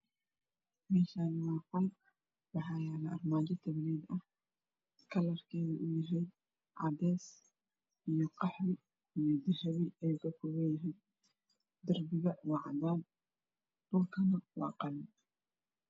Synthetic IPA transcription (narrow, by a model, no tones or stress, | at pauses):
mɛːʃaːnwɑːqɔl | wɑħɑːjaːlɐʔɐrmaːd͡ʒɐt̪ʰɐβlɛːd̪ɐh | kʰɐlɐrkʰɛːðɐʔʊjɪɦɛjd̪ | ʕɑd̪ɛːs | ʔijɔqɑħɾɪ | ijɔd̪ɪrɐβɪɛjkɐkʰʊwɛjɪɦɛjd̪̚ | d̪ɐrbɪɣɐwɑʕɑ̰d̪aːn | d̥ʊlkʰɐnɐwɑ̰ːqɑlɪ